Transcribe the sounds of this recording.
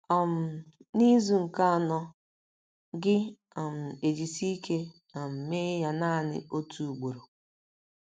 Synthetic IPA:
a˨m̩˨ni˦zu˨ŋ̩˨ka˦a˨nɔ˦ | ɡɪ˦ | a˨m̩˨e˨d͡ʒi˨si˦kʰe˦ | a˨m̩˨me˦ja˨na˦˨nɪ̰˨o˦tʰu˨u˨ɡ͡bo˨ɾo˨

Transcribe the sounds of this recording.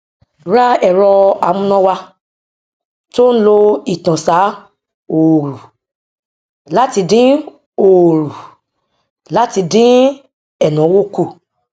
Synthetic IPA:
ɾa˦ɛ˦˨ɾɔ˧a˧˨mũ˧nɔ̃˦wa˧ | to˦n̩˦lo˧i˨tã˨sa˨˦ | o˨ɾu˨ | la˦ti˧dĩ˦ | o˨ɾu˨ | la˦ti˧dĩ˦ | ɛ˦˨nɔ̃˨˦wo˦ku˦˨

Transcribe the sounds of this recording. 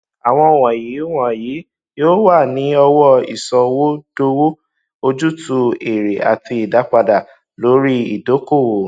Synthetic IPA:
a˨w̃ɔ̃˧ɔ˨wɔ̃˨ji˨˦wɔ̃˨ji˨˦ | joː˦wa˦˨nĩ˨˦ɔ˧wɔ˦ḭ˨sɔ˧wo˦d̥o˧wo˦ | o˧d͡ʒu˦tu˧e˨ɾe˨ʔa̰˨ti˧i˨da˨˦k͡pa˧da˨ | lo˨˦ɾi˦i˨do˨˦ko˦˨wo˨

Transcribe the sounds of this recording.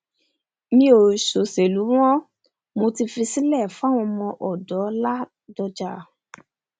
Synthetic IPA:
mĩ˧o˨ʃo˨se˨lu˨˦w̃ɔ̃˦ | mo˧ti˧fĩ˧si˦lɛ˦˨fa˦˨w̃ɔ̃˧mɔ̃˧ʔɔ˨dɔ˨˦la˦ | dɔ˧d͡ʒa˧˨

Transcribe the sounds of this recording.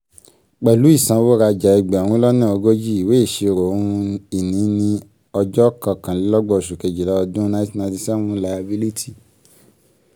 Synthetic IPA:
k͡pɛ˨lu˨˦i˦˨sã˨˦wo˦ɾa˧d͡ʒa˨i˨ɡ͡bɛ˨wũ˧˦lɔ˦nã˦˨o˧ɡo˦d͡ʒi˦i˨we˨˦˨ʃe˧˨ɾo˨˦ũ˧i˨nĩ˨˦nĩ˧ | ɔ˧d͡ʒɔ˦kã˧˨kã˨li˦lɔ˦ɡ͡bɔ˦˨ɔ˨ʃo˨ke˨d͡ʒi˨la˦ɔ˧dũ˦na˧˦ti˦na˧di˧sɛ˦mũ˧˦la˧ja˧bi˦li˦tʰi˦˨

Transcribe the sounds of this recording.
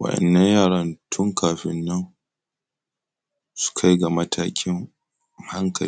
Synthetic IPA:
wɐ̰˨ʔɐ̰˨nːɐ˦ɲjaː˦˨ɽɐ˦ntʰʊ˦ŋkaː˨ɸɪ˦nːɐ˦ŋ | su̥˦kʰa˦jɡa˨mɐ˦tʰaː˦kʲɪ˦ŋ | ha˦ŋkʰɐ˨

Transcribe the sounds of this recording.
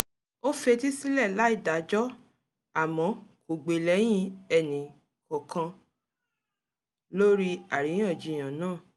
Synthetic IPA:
o˦fe˧ti˦si˦lɛ˦˨la˨˦i˦˨da˨˦d͡ʒɔ˦ | a˦˨mɔ̃˨˧˦ko˨ɡ͡be˨lɛ˨˦j̃ĩ˧˦ɛ˨nĩ˨ | kɔ˨kʰã˧ | lo˦ɾi˦a˨ɾĩ˨˦ɔ̃˦˨d͡ʒi˨˧˨j̃ã˨nãː˦˨

